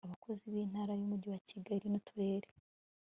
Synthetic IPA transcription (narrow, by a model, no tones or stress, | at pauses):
aβako̞ziβiːn̥haːɾajumuɟiwaciɡaɾinutuɾe̞ːɾe